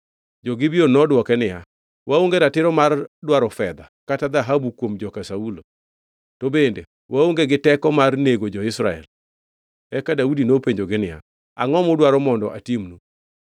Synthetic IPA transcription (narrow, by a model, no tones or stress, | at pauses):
d͡ʒɔɡɪbionɔdwɔkɛnɪja | waoŋɡeɾatɪɾɔmardwaɾɔfɛd̪akatad̪aɦabukwomd͡ʒɔkasaulo | tobendḛ | waoŋɡeɡɪtɛkɔmarneɡod͡ʒɔɪsɾaɛ̰l | ɛkadaudinopeɲd͡ʒoɡɪnɪja̰ | aŋɔmɔdwaɾɔmɔndɔʔa̰timnu